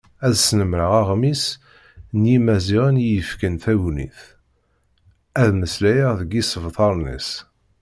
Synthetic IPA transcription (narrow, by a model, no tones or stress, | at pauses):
æðsnəmɾəʁaʁmis | njimæziʁənjəfkənθæwnḭθ | æðməslæjəʁðəɡisəvθˤɑɾˤnḭs